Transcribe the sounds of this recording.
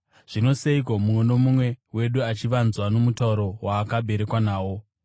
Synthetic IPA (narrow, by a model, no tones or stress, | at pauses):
ʐ̥ino̞seikomumweno̞mumwe̞we̞ɗuat͡ʃiʋanzwano̞mutauɾo̞waːkabʱe̞ɾe̞kwanaːwo̞